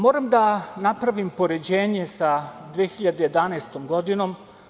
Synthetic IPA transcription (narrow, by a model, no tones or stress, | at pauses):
mo̞ːɾamd̪anapɾaʋimpo̞ɾe̞d͡ʑe̞ːɲe̞sad̪ʋeexiʎad̪eje̞d̪anaest̪omɡo̞d̪ino̞m